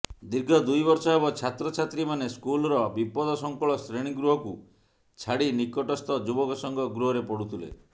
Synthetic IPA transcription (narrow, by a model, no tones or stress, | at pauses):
d̪iɾɡʱɔd̪ujbɔɾsɔɦeβɔt͡ʃʰat̪ɾɔt͡ʃʰat̪ɾimaneskulɔɾɔbipɔd̪ɔsɔŋkɔɭɔsɾeɽ̃iɡɾuɦɔku | t͡ʃʰaɽinikɔʈɔst̪ɔd͡ʒubɔkɔsɔŋɡɔɡɾuɦɔɾepɔɽut̪ʰilḛ